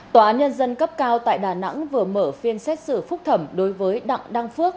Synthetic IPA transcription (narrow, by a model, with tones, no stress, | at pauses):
t̪aː˧˩ʔaː˨˦nɲə˧nzə˧nkə˦˥p̚kaː˧wt̪a̰ː˧˨jɗaː˧˩na̰˧˥ŋvɨ˨˩əməː˧˩fi˧ənsɛ˦˥t̚sɨ̰˧˩fʊ˦˥k͡p̚t̪ʰə˧˩mɗo˨˦jvəː˨˦jɗa̰˧˨ŋɗa˧ŋfɨ˦˥ək̚